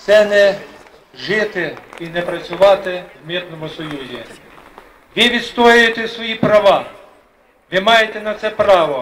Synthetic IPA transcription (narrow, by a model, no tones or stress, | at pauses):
sɛnɛ | ʒɪt̪ɪinɛpɾɐt͡sʲʊʋɑt̪ɪwmʲit̪nɔmʊsɔjuzʲi | ʋɪʋʲid̪st̪ɔjʊjet̪ɛsʋɔjipɾɐʋɑ | ʋɪmɑjet̪ɛnɐt̪sɛpɾɑʋɔ